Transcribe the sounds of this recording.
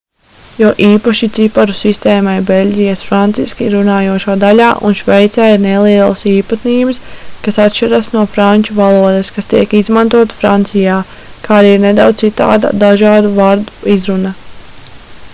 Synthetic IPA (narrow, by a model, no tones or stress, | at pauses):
jɔːʔiːpaʃit̪sipaɾusist̪ɛːmajbelʲɟʲijasfɾant̪siskiɾunaːjuɔʃuːd̪alʲaːʔṵnʃʋɛjt̪saːiɾnelˠiɛlˠasiːpat̪niːbɐskasat̪ʃiɾasnuɔfɾanʲt͡ʃuvalˠuɔd̪eskast̪iɛkizmant̪uɔt̪fɾant̪sijaː | kaːɾiːɾned̪awd̪sit̪a̰ːd̪a̰d̪aʒaːd̪uvaɾd̪uizɾuna